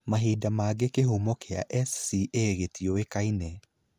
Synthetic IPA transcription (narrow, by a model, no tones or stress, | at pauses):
maɦidamaːɡekeɦumɔkea̰ʔɛssiʔeɣetiɔekainɛ